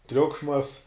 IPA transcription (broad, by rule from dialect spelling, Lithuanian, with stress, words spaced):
ˈtʲrʲʊkʃmɐs